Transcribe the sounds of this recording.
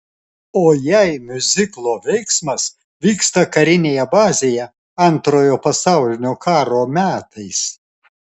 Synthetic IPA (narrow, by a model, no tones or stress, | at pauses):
oːjɛɪmʲʊzʲɪklˠoːʋʲɛɪksmɐs | ʋʲiːkst̪ɐkɐɾʲɪnʲeːjɛbɑːzʲeːjɛ | ɐnt̪ɾoːjoːpɐsɑˑʊlʲɪnʲoːkʰɑːɾoːmʲæːt̪ɐɪs